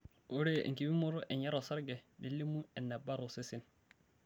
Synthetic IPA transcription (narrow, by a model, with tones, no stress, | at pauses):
u˦ɾḛ˦˨ŋ˨ki˨˦bi˦mɔ˦ɾʊ˦ʔɛ˨ɲa˦ɾɔ˨sa˦ɾɡɛ˨ni˦le˦mu˦ɛ˨nːa˨ba˦ɾo˨sɪ˦sɪ˦n